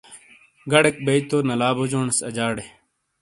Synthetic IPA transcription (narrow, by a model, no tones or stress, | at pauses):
ɡɐɽek̚bɐit̪oːnɐlaːbod͡ʑoːɳsɐ̰d͡ʑaːɽe